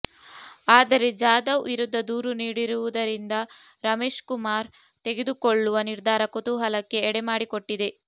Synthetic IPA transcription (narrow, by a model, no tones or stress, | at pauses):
aːd̪ɐɾe̞d͡ʒaːd̪ɐʋiɾud̪ʱːɐd̪uːɾuniːɽiɾuʋud̪ɐɾind̪ɐɾɐme̞ːʂkumaːɾ | t̪e̞ɡe̞d̪ukoɭːuʋɐniɾd̪ʱaːɾɐkut̪uɦɐlɐkːe̞ːɽemaːɽikoʈːid̪e̞